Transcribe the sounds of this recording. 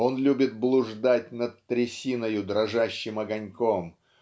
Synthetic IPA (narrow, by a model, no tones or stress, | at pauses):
o̞nlʲubʲɪt̪̚blˠʊʐd̪at̚ʲnət̪ːɾʲɪsʲinəjʊd̪ɾɐʐaɕːɪmɐɡɐnʲkom